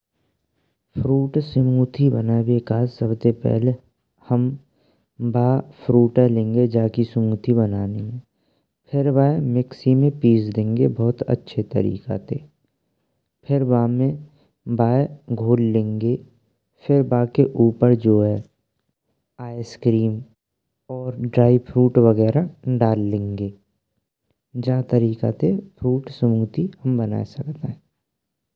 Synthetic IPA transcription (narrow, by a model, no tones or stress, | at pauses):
fʰɾuːʈsɪmuːt̪ʰibənaːebeːkaːd͡ʒsəbsepɛ̰ɦle | həm | baːpʰɾuːʈɛlẽːŋɡed͡ʒaːkisɪmuːt̪ʰibənaːniɦ | pʰɪɾbaːemɪksimẽpiːsd̪ẽːŋɡebɔːt̪ə̰tːʃʰet̪ə̰ɾḭːka̰t̪ʰḛː | pʰɪɾbaːmẽ | baːeɡʱoːlːẽːŋɡe | pʰɪɾbaːkeʔuːpəɾd͡ʒoːɦɛ | aːjeskɾiːm | ɔːɾɖɾaːipʰɾuːʈʋəɣɛːɾaɖaːlːẽːŋɡeː | d͡ʒaːt̪əɾiːka̰t̪epʰɾuːʈsəmuːt̪ihəmbəna̰ːesəkt̪eɦɛ̃